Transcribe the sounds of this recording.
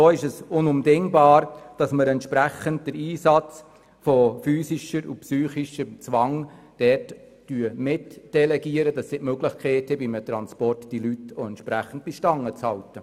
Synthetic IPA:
oːɪʃɛsʊnʊmdɛŋbɑːɾd̥ɑsməɾɛntʃpɾæχənt̚d̥əɾiːsɑt͡s | fɔfyːsiʃəɾṵpsyːχiʃət͡sʋɑŋd̥ɛrt | d̥yːəmɪtd̥ɛlɛɡiəɾəd̥ɑsːɪtmøɡlɪχkʰɛːtəbimətɾɑnspɔrtd̥ilytoɛntʃpɾæχən̩t̚b̥iʃtɑŋːət͡shɑltə

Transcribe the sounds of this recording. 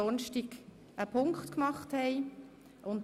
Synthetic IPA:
ɔnʃtiɡ | əpʰʊŋkχtkmɑχthɛɪ | ʔʊnt

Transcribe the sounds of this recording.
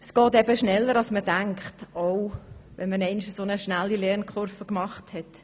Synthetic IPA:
əsɡ̥ɔːtɛb̥əʃnɛlːəɾɑlsmədæŋkχtoʊʋɛnmənɛɪniʃəsonəʃnælːilɛnkχʊɾfəkmɑχthɛt

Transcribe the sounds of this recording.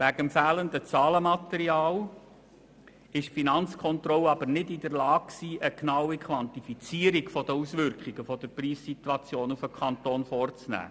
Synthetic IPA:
ʋæɡəmfæːləndət͡sɑːləmɑt̪ɛɾiɑːl | ɪʃfinɑnt͡skʰɔnt̪rɔlɑbəɾnɪdid̪əɾlɑːkksiːʔəknɑwikχʋɑntifit͡siːəɾikfɔd̥̪əusʋʏɾkχɪɡ̥əfɔd̥̪əɾpriːssit̪uɑt͡sjoːnufəkʰɑnt̪oːnfɔːrt͡snæ̰ː

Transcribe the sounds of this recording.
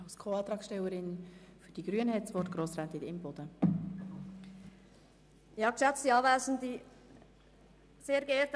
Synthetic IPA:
ɑʊskʰoːɑt̪ɾɑːksʃtɛwəɾɪnfyd̥iɡ̥ɾyənhɛtt͡svɔtɡ̥ɾoːsɾɛnt̪iɪmbɔd̥̪ə | jɑːkʃæt͡stiɑːvæːzn̩di | seːɾɡeːɾt

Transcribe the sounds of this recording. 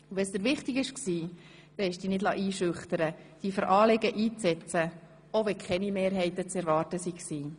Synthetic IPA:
uʋɛsd̪əɾʋɪχtɪɡɪʃksiː | d̥ɛɪʃd̥iːnɪdlɑ̰ːʔiːʃʏχtəɾəd̥ifəɾʔɑːlɛɡəʔiːt͡sɛt͡sə | oʋɛkʰχɛnimeːɾɦɛɪtət͡sɛɾʋɑːrtəsiksiː

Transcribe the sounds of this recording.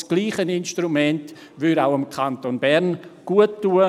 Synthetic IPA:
sɡ̥liːχənɪnʃtrumɛnt | vʏɾaʊəmkʰantonbɛɾnɡ̥uətːuːə

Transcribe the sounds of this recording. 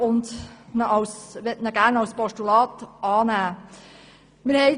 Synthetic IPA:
ʊndnəʔɑwsʋɛtnəɡ̥æːɾnɑwspɔʃtulɑːtʔɑːnæː | məɾhɛɪ

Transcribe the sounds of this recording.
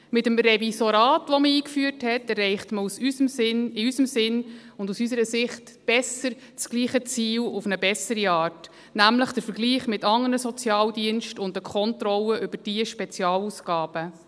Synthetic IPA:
mɪtəmɾɛvisoɾɑːtʋɔməiːkfyːəɾthɛtɛrːɛɪχtməusysəmɪnɪysəmsɪnʊndusys̬əɾəsɪχt | b̥ɛsəɾ | t͡sɡ̥liːχət͡siːlufnəbɛsəɾiɑːrt | næmləχd̥əɾfəɾɡliːχmɪtɑŋːənəsɔt͡sjɑːldiənʃtʊndəkʰɔntrɔlːəʔʏbəd̥iəʃpɛt͡sjɑːlusɡ̥ɑːb̥ə

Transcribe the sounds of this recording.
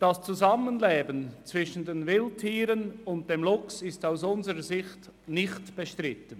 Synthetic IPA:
d̥ɑst͡suzamənleːbənt͡sv̥ɪʃən̩deːnvɪltʰiːɾənʊnt̚d̥eːmlʊksɪstaʊsʊnzəɾəzɪçt | nɪçtb̥eʃtʁɪtən

